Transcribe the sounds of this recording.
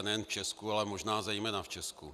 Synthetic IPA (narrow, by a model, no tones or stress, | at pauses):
nɛjɛnft͡ʃɛskualɛmoʒnaːzɛjmɛnaft͡ʃɛsku